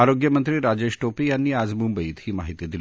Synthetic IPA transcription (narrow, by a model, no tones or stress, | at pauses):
aɾoɡjəmənt̪ɾiːɾad͡ʑeɕʈopiːjanːiːad͡zmumbəiːt̪hiːmaɦit̪id̪il